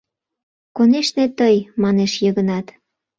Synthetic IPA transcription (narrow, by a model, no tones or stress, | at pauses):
koneʃnet̪əjmɑneʃjəɣənɑt̪